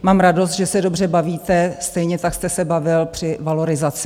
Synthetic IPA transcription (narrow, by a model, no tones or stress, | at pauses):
maːmɾado̞s̬t̪ʒɛsɛdo̞br̝ɛbaviːt̪ɛst̪ɛjɲɛt̪akst̪ɛsɛbavɪlpr̥ɪvalo̞ɾɪzat͡sɪ